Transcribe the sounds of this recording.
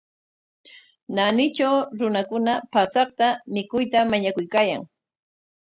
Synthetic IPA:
nanɪt͡ʃawɾʊnakʊnapasɑχt̪amɪkʊjt̪amaɲakʊjkaːja̰ŋ

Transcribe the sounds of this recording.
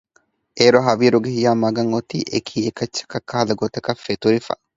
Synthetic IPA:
ʔeːɾoɦɐwiːɾʊɡɪhɪjaːmaɡɐŋɔt̪iːʔɛkʰiːɛkːɐt͡ʃːɐ̥kɐkːɐhɐlɐɡot̪ɐkɐfet̪ʊɾɪfɐ̰

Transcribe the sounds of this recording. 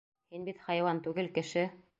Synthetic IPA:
hinbit̪hɑjwɑnt̪ʉɡɘlkɘ̆ʃɘ

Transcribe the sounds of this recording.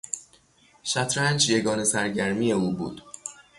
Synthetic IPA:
ʃæt̪ʰɾænd͡ʒjeɡɒːne̞sæɾɟæɾmiːje̞uːbṵːd̪̥

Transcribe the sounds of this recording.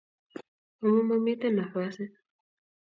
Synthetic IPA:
umumamitanafasi

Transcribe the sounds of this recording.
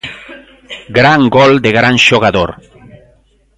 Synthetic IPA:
ɡɾaŋɡold̪eɣɾanʃoɣaðoɾ

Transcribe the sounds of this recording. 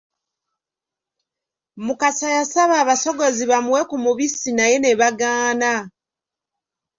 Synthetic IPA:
mukasajasaβaːβasoɡoziβamuwekumuβisinajeneβaɡaːna

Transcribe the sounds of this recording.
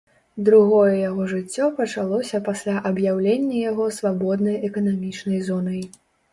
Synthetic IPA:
d̪ɾuɣɔjɛjaɣɔʐɨt͡sʲːɔpɐt͡ʂalˠɔsʲɐpasʲlʲaʔɐbjawlʲenʲːɐjaɣɔsvabɔd̪̚nɐjɛkɐnamʲit͡ʂnɐjzɔnɐj

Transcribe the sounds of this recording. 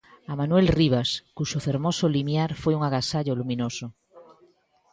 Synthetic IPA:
amãnwelriβ̞askuʃofeɾmosolimjaɾfweuŋaɣasaʎolumĩnoso

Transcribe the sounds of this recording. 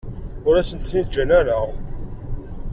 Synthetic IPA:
ʊɾæsənt̪θniðd͡ʒænæɾa

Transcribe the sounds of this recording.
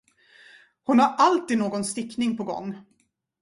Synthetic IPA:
hʊnhaɾʔalt̪iːd̪noːɡɔnst̪ɪkːnɪŋpʰɔɡɔ̰ŋː

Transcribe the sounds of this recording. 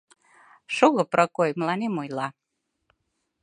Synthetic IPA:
ʃoɣɤ̆prɑkojmlɑnemojlɑ

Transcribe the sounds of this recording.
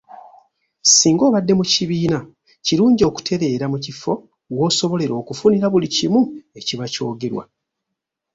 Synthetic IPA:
siːŋɡo̞ːβadːe̞muciβiːna | ciɾuːɲɟio̞ːku̥tʰe̞βe̞ːɾamucifo̞ | wo̞ːso̞βo̞le̞ɾo̞ːkufuniɾaβulicimue̞ciβaco̞̰ːɡe̞ɾwa̰

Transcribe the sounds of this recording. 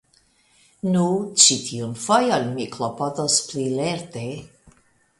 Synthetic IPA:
nut͡ʃitʰiunfojonmiklopodosplileɾte

